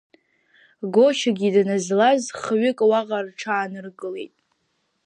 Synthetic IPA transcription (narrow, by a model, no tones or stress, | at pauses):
ɡo̞ʃaɡʲidanazlazχɥɪkʼwaʁarʈ͡ʂʰaːnɨrɡɨle̞̰jtʼ